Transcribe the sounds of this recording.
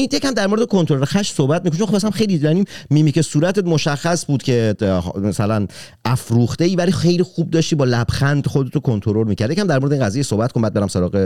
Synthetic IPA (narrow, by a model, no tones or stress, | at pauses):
ijecʰæmd̪æɾmoɾed̪ekʰo̞nt̪ʰoɾoɾexæʃsohbæt̪̚mikonːxopʰːæsæmxe̞jliɾæniːmiːmicesuːɾæt̪ʰet̪mo̞ʃæxːæsbuːd̪cʰe̞mæsælæn | æfɾuːxt̪eiːvælixejliːxuːb̚d̪ɒːʃt̪iːbɒːlæb̥xænd̪xod̪et̪ʰokʰont̪ʰoɾoɾmiːcʰæɾd̪jecʰæmd̪æɾmoɾedeinŋɡæzijesohbæt̪konbæd̪̚beɾæmsoɾɒːɣe